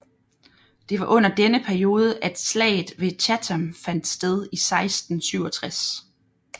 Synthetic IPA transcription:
d̥e̝ʋɑ̈ʔɔ̽n̰ɐd̥enəpʰæɐijo̝ːð̞ˠəʔæd̥slɛ̰ːɪð̩ˠʋe̝t͡ɕʰæt͡sʰamfæn̰d̥sd̥eð̞ˠisɑ̈ɪsd̥n̩syʊɒt͡sʰʁas

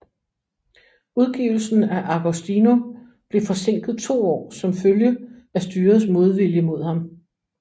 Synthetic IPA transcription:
uðˠɡ̥ḭʊl̩sn̩æʔɑ̈ɡ̥osd̥ino̝ | b̥le̝fɒ̽se̝ŋ̰ɡ̥ð̩ˠt͡sʰo̝̰ːɒ̰ːsɒ̽mføljə | æsd̥yːɐsmo̝ð̞ˠʋiljəmo̝ð̞̰ˠhɑ̈m

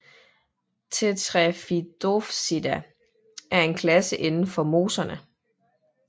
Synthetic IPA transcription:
t͡sʰet͡sʰʁɛfid̥ofsid̥æ | ʔæɐe̝nkʰlæsəʔe̝nn̩fɒ̽mo̝ːsɐnə

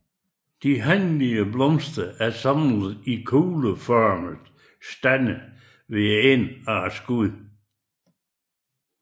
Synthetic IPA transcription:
d̥iɦænliəblɔmsd̥əʔæɐsɑmləð̩ˠikʰuːləfɒːməð̩ˠ | sd̥ænə | ʋeenɑsɡ̥uðˠ

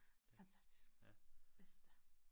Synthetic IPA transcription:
fænt͡sʰæsd̥i̥sɡ̥b̥esd̥ə

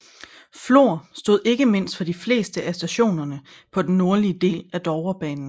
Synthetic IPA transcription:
flo̝ɐ̰sd̥o̝ð̞̰ˠe̝ɡ̥əme̝n̰sd̥fɒ̽d̥ifle̝̰ːsd̥əʔæsd̥æɕo̝̰ːnɐnə | pʰɒ̽d̥enːo̝ɐliəd̥e̝̰ːlæd̥ɒːʊɐb̥ɛ̰ːnn̩

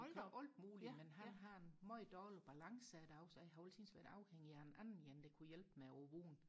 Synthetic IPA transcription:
ɔld̥muːlimenɦænɦɑ̈e̝nmɒɪd̥ɒːlb̥ælɑ̈ŋsəæd̥ʊsɦɑolt͡sʰiːnsʋæ̰ɐɾ̥ɑ̈ʊheŋ̰iæenʔænn̩jænd̥e̝kʰujelb̥meoʋoːn

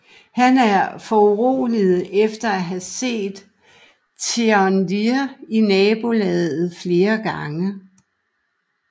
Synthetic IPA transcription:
hænæɐfɒuʁo̰ːlið̩ˠʔefd̥ɐæɦæse̝̰ːd̥ | t͡sʰeɒndiinɛːb̥o̝lɛðˠð̩ˠfle̝ːɐɡ̥ɑ̈ŋə

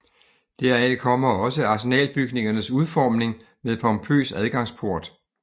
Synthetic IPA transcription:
d̥æɐ̰ækʰɒ̽m̰ɐɒ̽səɑ̈se̝nɛ̰ːlb̥yɡ̥ne̝ŋɐnəsuð̞ˠfɒːmne̝ŋ | meðˠpʰɒ̽mpʰø̰ːsæð̞ˠɡ̥ɑ̈ŋ̰spʰo̝ɐ̰d̥

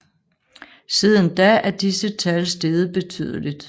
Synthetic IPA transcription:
siðˠənd̥ææɐd̥isət͡sʰælsd̥e̝ðˠəb̥e̝t͡sʰy̰ːðˠəlid̥

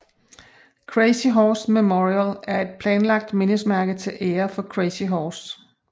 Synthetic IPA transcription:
kʰʁeɪsiɦɒːsmemoʁiælæɐe̝d̥̚pʰlɛːnlɑ̈ɡ̥̚d̥me̝nəsmæɐɡ̥ð̩ˠt͡sʰe̝lʔeːɐfɒ̽kʰʁesiɦɒːs

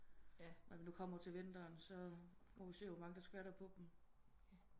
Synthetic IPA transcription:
nɑmnukʰɒ̽m̰ɐt͡sʰe̝lʋen̰d̥ɐːnsɒ̽mɒʋise̝̰ɐ̰omɑ̈ŋəd̥ɑsɡ̥ʋæɐɾ̥ɐpʰɒ̽b̥m̩

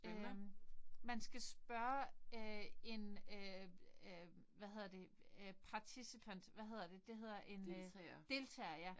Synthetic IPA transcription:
ø | mænsɡ̥æsb̥ɶɐøe̝nø | ʋæhɦe̝ð̞ˠɐd̥e̝pʰɑ̈ːt͡sʰisipʰæn̰d̥ʋæɦe̝ð̰ˠɐd̥e̝d̥e̝ɦe̝ð̞̰ˠɐʔe̝nd̥e̝lt͡sʰɛ̰ːɐjæ

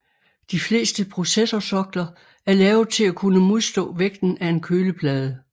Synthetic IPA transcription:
d̥ifle̝̰ːsd̥əpʰʁo̝sesɒsɒ̽ɡ̥lɐ | æɐlɛːʊðˠt͡sʰe̝lækʰunəmo̝ð̞ˠsd̥ɔ̰̽ːʋeɡ̥̚d̥n̩æe̝nkʰøːləpʰlɛːð̞ˠə

